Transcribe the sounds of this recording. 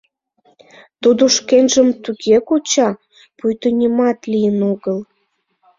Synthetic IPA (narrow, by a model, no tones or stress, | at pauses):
t̪ud̪oʃkenʒəmt̪uɣekot͡ɕɑ | pujt̪onʲimɑt̪lijənoɣəl